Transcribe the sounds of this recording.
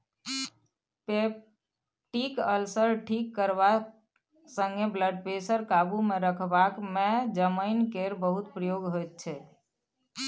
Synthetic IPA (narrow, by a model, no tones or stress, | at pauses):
pe | ʈikəlsəɾʈʰikːəɾba | sə̃ŋɡebləɖpesəɾkabumeɾəkʰbakmẽd͡ʒəməɪnkeɾbəɦut̪̚pɾəjoɡɦot̪̚t͡ʃʰɛ